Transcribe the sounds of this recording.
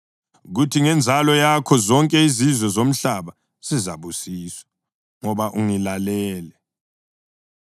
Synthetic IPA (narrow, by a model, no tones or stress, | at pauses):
ɣutʰiŋɛnd͡zʱalɔjakʰɔzɔŋkʼɛizizwɛzom̩ɬaβa | z̥izaβusiːswḁ | ŋɔβaʔuŋilalɛːlɛ